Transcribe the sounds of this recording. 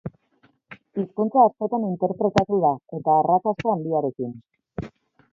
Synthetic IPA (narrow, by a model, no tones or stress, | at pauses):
iskunt͡saːsko̞t̪anint̪e̞ɾpɾe̞t̪at̪uðae̞t̪aːrat͡sast̪aːnd̪iaɾe̞kin